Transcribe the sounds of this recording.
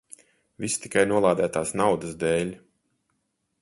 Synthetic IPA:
vʲist̪i̥kajnuɔlˠaːd̪æːt̪aːsnawd̪əsd̪ɛːlʲ

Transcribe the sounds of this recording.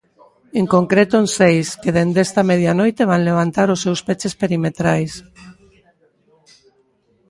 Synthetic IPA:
eŋkoŋkɾet̪onsejskeðend̪est̪ameð̞ianɔjt̪eβ̞anleβ̞ant̪aɾosːewspet͡ʃespeɾimet̪ɾajs

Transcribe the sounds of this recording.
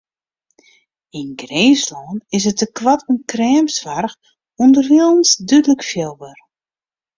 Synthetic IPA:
inɡreːslɔːnɪsətəkwatunkrɛːmsʋarx | undərhilˠənsdydləkfjɛlˠbər

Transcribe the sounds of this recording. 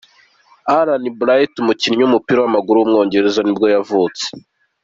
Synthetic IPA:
aɾanibuɾajitumuciniɲumupiɾawamaɡuɾuwumŋoːɲɟe̞ɾezanibɡo̞javuːt͡se̥

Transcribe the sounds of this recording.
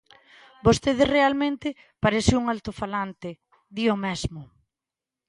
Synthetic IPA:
bost̪eð̞erealmẽnt̪ɪ | paɾesɪuŋalt̪ofalant̪ɪ | d̪iomɛzmʊ

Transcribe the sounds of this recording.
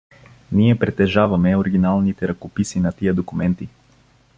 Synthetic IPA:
niɛpɾɛt̪ɛʒavɐmɛoɾiɡinalˠnit̪ɛɾɐkopisinɐt̪ijəd̪okumɛnt̪i

